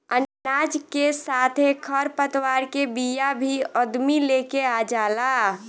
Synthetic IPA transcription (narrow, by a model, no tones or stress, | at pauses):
ənaːd͡ʒkesaːt̪ʰekʰəɾpət̪waːɾkebijabʱiɔd̪mileːkead͡ʒaːla